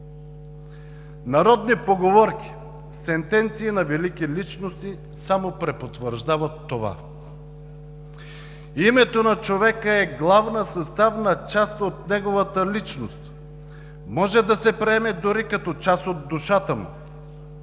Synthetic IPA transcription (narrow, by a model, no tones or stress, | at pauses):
nɐɾɔd̪nipoɡovɔɾki̥ | sɛnt̪ɛnt̪siːnɐvɛlikilit͡ʃnost̪i | samopɾɛpot̪vəɾʒd̪avət̪ːova̰ | imɛt̪onɐt͡ʃovɛkəɛɡlˠavnəsɐst̪avnɐt͡ʃast̪ot̪̚nɛɡovət̪əlit͡ʃnost̪ | mɔʒɛd̪ɐsɛpɾɛɛmɛd̪ʊɾikɐt̪ɔt͡ʃasod̪ːuʃat̪əmṵ